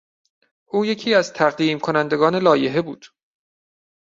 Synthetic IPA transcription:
ʔuːje̞cʰiːæzt̪ʰæʁd̪iːmkʰo̞nænd̪e̞ɡɒːne̞lɒːje̞ɦe̞bṵːd̪̥

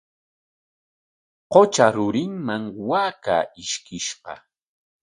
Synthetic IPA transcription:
qot͡ʃaɾʊɾɪŋmaŋwaːka̰ːɪʃkɪʃɢɑ̰

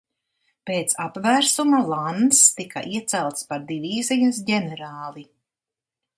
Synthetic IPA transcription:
peːt̪sapvæːɾsumalˠand̪st̪ika̰ʔiɛt̪sælˠt̪spaɾd̪iviːzijasɟɛnɛɾaːlˠi

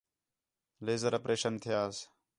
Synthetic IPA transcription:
leːzəɾəpɾʔeːʃənt̪ʰɪjaːs

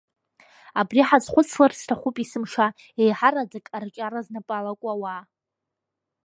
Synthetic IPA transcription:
abriħazχʷʊt͡sʰlarstʰaχʷupʼisɨmʂa | ejħarad͡zakʼart͡ʃʼaɾaznapʼalakʷʼawa

